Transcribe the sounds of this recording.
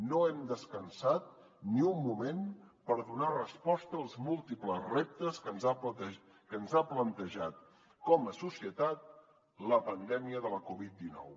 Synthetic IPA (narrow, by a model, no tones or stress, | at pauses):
noɛmd̪əskənsat̪̚ | niumːumenpəɾðunarəspɔst̪əːlˠzmulˠt̪ipləzrep̚t̪əskənzaə | kənzaplənt̪əʒat̪̚ | kɔməsusiət̪at̪̚ | ləpənd̪ɛmiəðələkuβit̪̚d̪inɔ̰w